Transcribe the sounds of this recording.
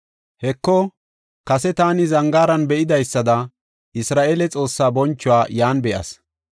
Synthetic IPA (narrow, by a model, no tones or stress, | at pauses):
hɛkːɔ | kɐsɛt̪aːnɪzɐŋɡaːɾɐnbɛʔɪd̪ɐjsːɐd̪ɐ | ʔɪsɾaːʔeːlɛt͡sʼo̞ːsːaːbɔnt͡ʃːʊwaːjaːnbɛʔɐ̰s